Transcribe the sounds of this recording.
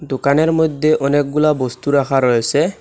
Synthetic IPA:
d̪okaneɾmɔjd̪ʱːeʔɔnek̚ɡulabɔst̪uɾakʰaɾɔjese

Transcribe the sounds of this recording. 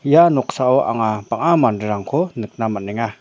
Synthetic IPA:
janɔk̚saɔʔa̰ŋapaŋamandɯɾaŋkʰɔnɯk̚namanɛŋa

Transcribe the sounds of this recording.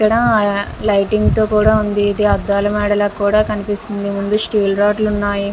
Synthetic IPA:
ikːɐɽɐː | lɐjʈiŋɡt̪o̞ːkuːɽaːund̪iːd̪iɐd̪ːaːlɐmɛːɽɐlɐkːuːɽaːkɐnipist̪ind̪imund̪usʈiːlɾaːʈlunːaːji

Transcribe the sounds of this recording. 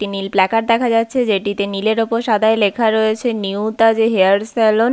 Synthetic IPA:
ʈinilplɛkaʈ̚d̪ɛkʰad͡ʑatːɕʰed͡ʑeʈit̪enileɾopoɾʃad̪ʱaelekʰaɾojet͡ɕʰeniut̪ad͡ʑeɦeaɾselon

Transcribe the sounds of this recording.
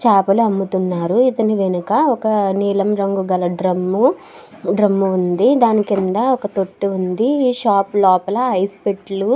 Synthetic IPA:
t͡ʃaːpɐluɐmːut̪unːaːɾuit̪ɐniʋenukɐɔkɐniːlɐmɾɐŋɡuɡɐlɐɖɾɐmːu | ɖɾɐmːuːnd̪id̪aːnikind̪ɐɔkɐt̪o̞ʈːuund̪iiːʃaːplɔːpɐlɐɦɐjspeʈlu

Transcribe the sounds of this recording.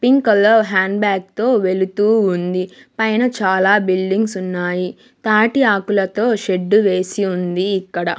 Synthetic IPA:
piŋkɐlːoːɦaːɳɖbaːk̚t̪oːʋe̞lut̪uːnd̪ipɐjnɐt͡ʃaːlaːbilɖiŋɡsunːaːji | t̪aːʈiaːkulɐt̪o̞ːʃe̞ɖːuʋe̞ːsiund̪iːkːɐɽɐ

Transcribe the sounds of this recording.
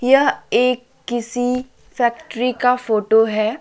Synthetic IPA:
jɐɦeːkːɪsi | fɛːkʈɾikafoːʈoɦɛː

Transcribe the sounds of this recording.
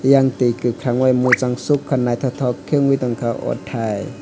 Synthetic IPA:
jaŋt̪iːkɯkʰɾaŋwajmut͡saŋsukʰːanːaːjt̪ʰɔt̪ʰɔːkʰːɯəŋwiːt̪ɔŋkawʔɔ̰t̪ʰːaj

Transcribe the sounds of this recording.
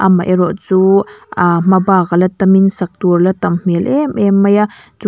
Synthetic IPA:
ʔamːaʔeɾoʔt͡suamabaɣalat̪aminsak̚t̪uɾlat̪ammelʔememajat͡su

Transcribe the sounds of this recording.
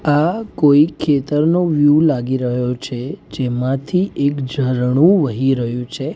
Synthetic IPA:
akoikʰːet̪əɾnoʋjulaɡiɾəɦjot͡ʃʰed͡ʒemãt̪ʰiʔekd͡ʒʱəɾɳ̃ũʋəɦiɾəɦjũt͡ʃʰe

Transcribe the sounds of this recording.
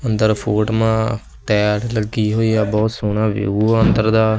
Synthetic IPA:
ənd̪əɾpʰoːʈmãː | ʈɛːʈləɡːiːɦoːiːaːbɔːt̪soːnãːʋḛːɡuːənd̪əɾd̪aː

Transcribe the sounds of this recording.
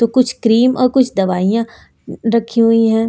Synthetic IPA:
t̪oːkʊt͡ʃʰkɾiːmɔːɾkʊt͡ʃʰd̪ɐʋaːijã | ɾɐkʰːiɦuiɦɛ̃ː

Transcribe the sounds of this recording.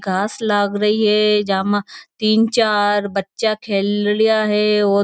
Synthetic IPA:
ɡʱaːslaːɡɾɐɦiɦɛd͡ʒamãt̪iːnt͡ʃaːɾbɐtːʃakʰeːlɽijaɦɛɔː

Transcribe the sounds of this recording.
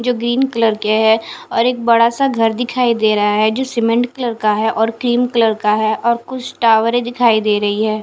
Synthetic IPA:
d͡ʒoːɡɾiːnkələɾkeɦɛɔːɾeːk̚bɐɽasaɡʱɐɾd̪ɪkʰaːid̪eːɾɐɦaɦɛd͡ʒoːsɪmə̃ɳʈkələɾkaɦɛʔɔːɾkɾiːmkələɾkaɦɛːʔɔːɾkʊt͡ʃʰʈaːʋəɾẽd̪ɪkʰaːid̪eːɾɐɦiɦɛː

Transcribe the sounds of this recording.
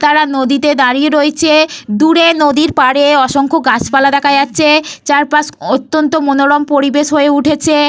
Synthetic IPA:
t̪aɾanod̪it̪ed̪aɾieɾoet͡ɕʰed̪uɾenod̪iɾpaɽeɔʃoŋkʰoɡat͡ɕpalad̪ɛkʰad͡ʑatːɕʰet͡ɕaɾpaʃot̪ːont̪omonoɾɔmpoɾibeʃɦoeuʈʰet͡ɕʰe

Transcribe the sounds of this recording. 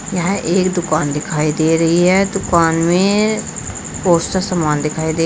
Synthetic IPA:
jɐɦɛ̃ʔeːkd̪ʊkaːnd̪ɪkʰaːid̪eːɾɐɦiɦɛd̪ʊkaːnmẽ | poːstasɐmaːnd̪ɪkʰaːid̪eː

